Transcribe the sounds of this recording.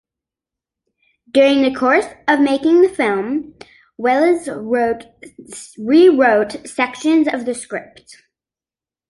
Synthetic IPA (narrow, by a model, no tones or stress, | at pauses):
d̥ʊɹɪ̃ŋðɨkʰɔɹsʌvmeɪkɪ̃ŋðɨfɪlˠm | wɛlˠəzʊt | ɹiɹoʊtsɛkʃɨ̃nzʌvðɨskɹɪp̚t